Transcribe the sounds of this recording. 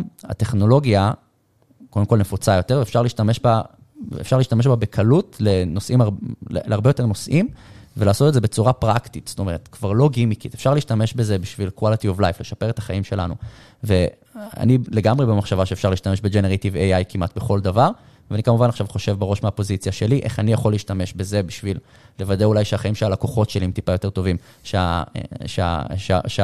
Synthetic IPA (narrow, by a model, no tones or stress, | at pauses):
a̰te̞χno̞lo̞ɡja | kodemko̞lnefut͡sajo̞t̪e̞ʁvefʃaʁliʃtame̞ʃba̰ː | fʃaʁliːʃt̪ameʃbabekʰalutlenosʔimaʁleleaʁbejot̪e̞ʁno̞sʔimvelaːso̞tetzebet͡suʁapʁaktitsto̞me̞ʁet̪kvaʁlo̞ɡimikitefʃaʁliʃtame̞ʃbezebiʃvilkwalitiovlajfleʃapeʁet̪ḁχaimʃe̞la̰nṵ | ve | a̰nileɡamʁebemaχʃavaʃeːfʃaʁleiʃt̪ameʃbed͡ʒeneʁet̪iveajkimʔatbeχo̞ldavaʁ | vanikamuvanaχʃavχo̞ʃe̞vbeʁo̞ʃmeapo̞zit͡sjaʃe̞liʔḛχanijaχo̞lːiːʃtame̞ʃbe̞ze̞biʃvilː | evad̪eulajʃeaχaimʃealakoχo̞tʃeliemt̪ipajoteto̞vim | ʃea̰ʃea̰ʃea̰ʃe